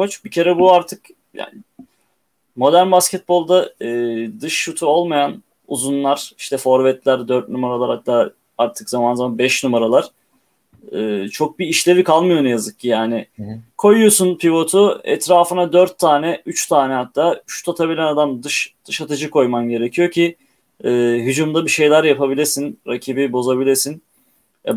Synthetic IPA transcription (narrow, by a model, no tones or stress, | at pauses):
ko̞t͡ʃbicʰe̞ɾɛbuaɾt̪ʰɯk | ja̰ːnɪ | mo̞d̪æɾnbascɛt̪̚bo̞lˠd̪aɯːd̪ɯʃːut̪ʰuo̞lˠmajan | uzunlˠaɾ̥iʃt̪ʰɛfo̞ɾvɛt̪lʲæɾd̪øɾt̪̚numaɾalˠaɾhat̪ːaː | aɾt̪ʰɯ̥kzamanzamanbɛʃnumaɾalˠaɾ̥ | ɯːt͡ʃʰo̞k̚biːʃlʲe̞ɾikʰalˠmɯjo̞njazɯk̚ːijaːnɪkʰo̞jujosunpivo̞t̪ʰuɛ̰t̪ɾaːfɯnad̪øɾt̪ʰːaːnɛyt͡ʃt̪ʰaːnɛhat̪ːaːyʃt̪ʰat̪ʰabilʲænad̪amd̪ɯʃd̪̥ɯʃat̪ʰɯd͡ʒɯkʰo̞jmanɟe̞ɾecʰijo̞cʰiː | ɦyd͡ʒumd̪abiʃe̞jlʲæɾjapʰabilʲiɾsinɾacʰibibo̞zabilʲiɾsin | ɛ̰